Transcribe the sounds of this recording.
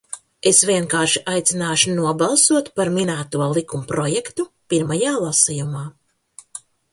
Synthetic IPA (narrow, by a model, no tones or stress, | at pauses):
esvʲiɛŋkaːɾʃiʔajt̪sinaːʃunuɔbalˠsuɔt̪paɾminæːt̪uɔlˠikumpɾɔjɛkt̪upiɾmajaːlˠasijumaː